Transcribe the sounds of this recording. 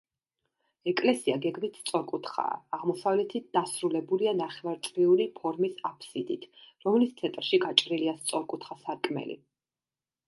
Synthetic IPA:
ɛkʼlɛsiaɡɛɡmit̪ʰst̪sʼɔɾkʼut̪ʰχa̰ːʁmɔsavlɛt̪ʰit̪̚d̪asɾulɛbulianaχɛvaɾt̪sʼɾiulipʰɔɾmisapʰsid̪it̪ʰɾɔmlist̪sʰɛt̪ʼɾʃiɡat͡ʃʼɾiliast̪sʼɔɾkʼut̪ʰχasaɾkʼmɛ̰lḭ

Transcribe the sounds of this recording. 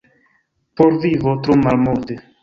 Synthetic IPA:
poɾvivot̪ɾumalmuɾd̪e

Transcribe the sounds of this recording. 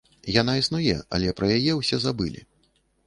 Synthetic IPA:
janaisnujɛɐ̰lʲɛpɾɐjajɛwsʲɛzabɨlʲḭ

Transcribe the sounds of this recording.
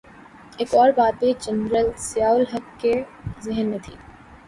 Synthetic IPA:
eːkɔːɾbaːt̪̚bed͡ʒɐnɾəlsɪjaːʊlɦɐkːezɪɦənmẽt̪ʰḭː

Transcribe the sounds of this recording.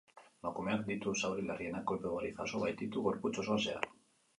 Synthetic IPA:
makumeakd̪it̪usawɾilerienakoepeβoɾiθa̰soβajt̪it̪uɣo̞ɾput͡sosoase̞a̰l

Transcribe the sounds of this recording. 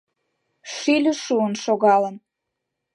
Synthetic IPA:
ʃilʲə̆ʃuənʃoɣɑlən

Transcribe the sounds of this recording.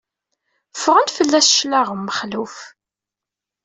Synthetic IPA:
fʁənfəlːæsʃlæʁəmːəχluf

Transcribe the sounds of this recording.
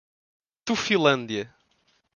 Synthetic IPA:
t̪ufĩlˠɐ̃nd̪jɐ

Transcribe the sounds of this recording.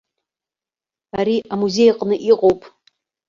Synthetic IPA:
aɾiʔamuze̞jqʼnɨʔiqʼowpʼ

